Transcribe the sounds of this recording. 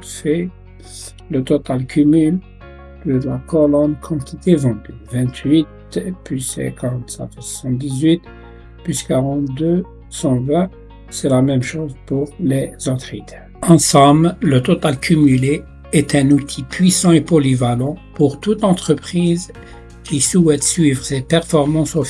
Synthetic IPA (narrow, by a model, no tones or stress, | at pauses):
sɛ | lət̪ɔt̪alkʰʲymyl | d̪̥əlakɔlɔnkʰɑ̃t̪ʰit̪evɑ̃d̪yvɛ̃t̪ʰɥit̪ | plysɛ̰kaʁɑ̃t̪sɛ̰t̪wswḁsɑ̃t̪̚d̪izɥit̪ | pyskaʁɑ̃t̪̚d̪ø | sɑ̃vɛ̃ | sɛlamɛmʃozpuʁlezɔt̪χit̪ʰɛ | ɑ̃sɑ̃bllət̪ɔt̪alkʲʰymyle | ɛt̪ɛ̃nut̪ʰipʰɥisɑ̃epɔlivalɑ̃puʁt̪ut̪ɑ̃t̪χəpχiz | kʲʰisuɛt̪sɥivʁsepɛʁfɔʁmɑ̃sof